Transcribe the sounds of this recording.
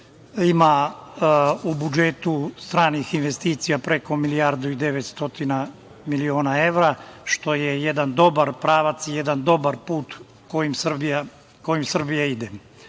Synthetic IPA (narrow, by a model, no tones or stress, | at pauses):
ima | ubud͡ʒe̞t̪ust̪ɾaːnixinʋe̞st̪iːt̪sijapɾe̞ko̞miliaɾd̪uid̪e̞ʋet̪st̪o̞t̪ina | milio̞ːnae̞ʋɾaʃt̪o̞jejed̪and̪o̞baɾpɾaːʋat̪sije̞d̪and̪o̞baɾpuːt̪ | kojimsbia | ko̞jimsr̩bijaid̪e